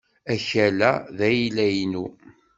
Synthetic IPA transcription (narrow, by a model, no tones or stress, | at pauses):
æçælæðæjilæjnu